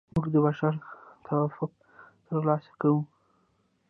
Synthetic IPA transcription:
muɡd̪əbaʃaɾt̪ʰawafʊq̚ | t̪əɾlɑsḁkawu

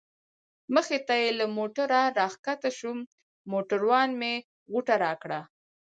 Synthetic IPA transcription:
məxet̪ajelamoʈaɾaɾɑxkat̪aʃum | moʈəɾwɑnme | ɣuʈaɾɑkɽa

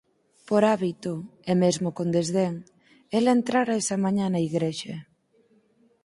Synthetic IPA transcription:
poɾaβit̪ʊemezmokond̪ezðeŋ | elent̪ɾaɾaesɐmaɲanaiɣɾeʃe

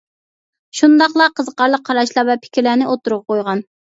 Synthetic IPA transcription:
ʃund̪ɑχlˠɑqʰəzəqʰɑɾlˠəq̚ʰːɑɾɑʃlˠɑvɛpʰɪ̥kʲʰɾlæːnɪʔot̪uɾup̚qʰojʁɑn

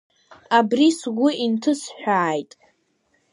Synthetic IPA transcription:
abrisɡʷʊintʰɨsħᶣʷaːjtʼ

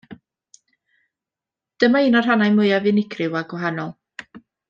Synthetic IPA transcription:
d̥əmainɔr̥ɦanajmʊjavɨnɪkʰrɪwaɡwɔɦanɔlˠ

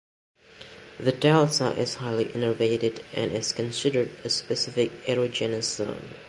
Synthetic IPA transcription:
ðɨtʰælˠsə̰ʔɪz̥haɪlˠiʔɪ̃nə˞veɪɾɪdɨ̰̃nɪz̥kɨ̃nsɪɾə˞dɨspɨsɪfɪkɛɹod͡ʒɛnɨsõ̰ʊ̃n

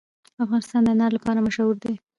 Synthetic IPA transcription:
afɣɑnɪst̪ɑnd̪ənaɾlapɑɾamaʃawuɾd̪e

